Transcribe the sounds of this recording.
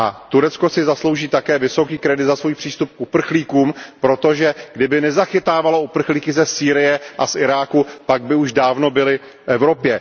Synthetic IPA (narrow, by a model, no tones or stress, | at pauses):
ʔat̪uɾɛt͡sko̞sɪzaslowʒiːt̪akɛːvɪso̞kiːkɾɛdɪd̪zasvujpr̥iːst̪up̚kupr̩xliːkuːmpɾo̞t̪o̞ʒɛɡdɪbɪnɛzaxɪt̪aːvaloupr̩xliːkɪzɛsiːɾɪjɛʔasʔɪɾaːkupaɡ̚bɪuʒdaːvno̞bɪlɪ | fʔɛvɾo̞pjɛ